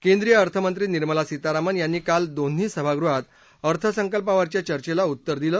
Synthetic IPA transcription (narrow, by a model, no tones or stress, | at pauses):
kend̪ɾijəəɾt̪ʰəmənt̪ɾiːniɾməlasit̪aɾamənjanːiːkald̪on̤iːsəbʱaɡɾuɦat̪ | əɾt̪ʰəsəŋkəlpaʋaɾt͡ɕjat͡ɕəɾt͡ɕelaut̪ːəɾd̪iləː